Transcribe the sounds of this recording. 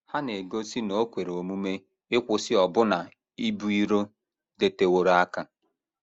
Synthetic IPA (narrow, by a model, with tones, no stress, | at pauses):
ha˦ne˨ɡo˦si˦no˨o˦kʷe˨ɾo˨mu˦me˦ | ɪ˦kʷʊ˨sɪ˦ɔ˨bʊ˦na˨ | i˦bu˦i˦ɾo˦ | de˨te˨wo˨ɾa˦ka˦